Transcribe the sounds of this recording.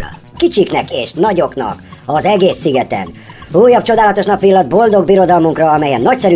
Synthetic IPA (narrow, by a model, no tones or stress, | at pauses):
kit͡ʃiknɛkeːʃnɒɟo̞knɒ̰kɒzɛɡeːsːiɡɛt̪ɛ̰n | uːjːɒp̚t͡ʃo̞d̪aːlɒt̪o̞ʃnɒpʋilːɒd̪̚bo̞ld̪o̞ɡ̚biɾo̞d̪ɒlmuŋkrɒɒmɛjɛnːɒcsɛɾy